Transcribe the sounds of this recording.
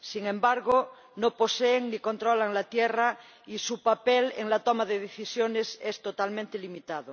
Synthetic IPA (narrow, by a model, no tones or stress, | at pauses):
siŋẽmbaɾɣo | noposeːŋniko̞nt̪ɾolaŋlat̪jera | isupapelḛŋlat̪omaðeðeθisjonesest̪ot̪almẽnt̪elimit̪að̞o